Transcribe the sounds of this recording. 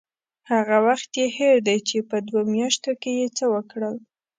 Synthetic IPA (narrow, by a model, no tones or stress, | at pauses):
haɣawaxt̪jeheɾd̪ajt͡ʃepəd̪womjɑʃt̪okejet͡səwəkɽəl